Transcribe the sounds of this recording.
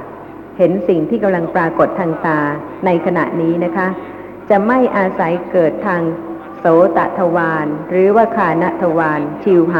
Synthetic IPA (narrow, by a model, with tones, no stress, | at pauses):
he˩˦nsi˨˩ŋt̪ʰiː˥˩ka˧mla˧ŋpɾaː˧ko˨˩t̪ʰːaː˧ŋt̪aː˧ | na˧jkʰa˧na̰˨˩ʔniː˦˥na˦˥kʰa˦˥ | t͡ɕa˨˩ma˥˩jʔaː˧sa˩˦jkɤː˨˩t̪ʰːaː˧ŋ | soː˩˦t̪a̰˨˩ʔt̪ʰa˧waː˧nɾɯː˩˦waː˥˩kʰaː˧na˦˥ʔt̪ʰa˧waː˧nt͡ɕʰi˧wɦa˨